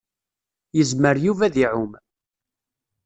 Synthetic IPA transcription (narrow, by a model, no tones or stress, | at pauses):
jəzməɾjuvæðiʕʊm